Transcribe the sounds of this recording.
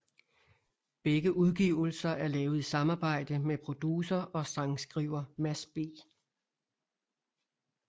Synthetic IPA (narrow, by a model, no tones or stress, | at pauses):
b̥eɡ̥əʔuðˠɡ̥iːʊl̩sɐʔæɐlɛːʊð̩ˠisɑ̈mɑ̈ːb̥ɑ̈ɪ̰d̥əmepʰʁo̝d̥uːsɐʔɒ̽sɑ̈ŋsɡ̥ʁiːʊ̰ɐmæsb̥e̝̰ː